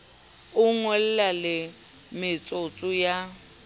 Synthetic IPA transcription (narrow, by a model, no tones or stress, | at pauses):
ʊŋɔlɛlalɪ | mɪt͡sʼot͡sʼʊja